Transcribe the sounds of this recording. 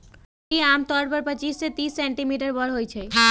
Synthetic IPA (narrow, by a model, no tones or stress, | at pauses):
kiamt̪ɔɾpəɾpət͡ɕisset̪isːeɳʈimiʈəɾbɔɾɦojt͡ɕʰe